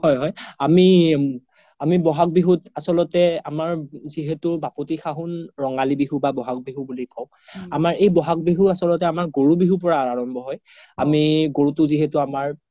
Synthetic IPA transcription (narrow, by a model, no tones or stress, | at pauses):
hɔjɦɔjami | amibɔɦak̚biɦutasɔlɔtɛamaɹziɦetʊbapotixaɦunɹɔŋalibiɦubabɔɦak̚biɦubulikɔw | amaɹejbɔɦak̚biɦuasɔlɔtɛamaɹɡoɹubiɦup̬ɔɹaːɹaɹɔmbʱɔɦɔj | amiɡoɹutʊziɦɛtʊamaɹ